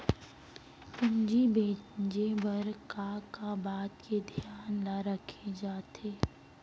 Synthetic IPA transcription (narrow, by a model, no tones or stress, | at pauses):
kʊnd͡ʒibeːd͡ʒebɐɾkakabaːt̪ked̪ʱijaːnlaɾəkʰed͡ʒaːt̪ʰeː